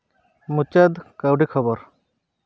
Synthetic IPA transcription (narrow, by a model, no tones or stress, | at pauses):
mut͡ʃad̪kawɖikʰɔbɔɾ